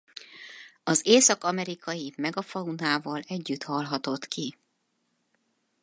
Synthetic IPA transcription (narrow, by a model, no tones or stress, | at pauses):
ɒzeːsɒkɒmɛɾikɒjimɛɡɒfɒunaːvɒlɛɟːyt̪hɒlɦɒt̪o̞t̪ki